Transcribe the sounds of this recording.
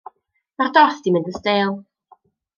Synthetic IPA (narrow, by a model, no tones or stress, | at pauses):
mardɔrθd̥imɪndəstelˠ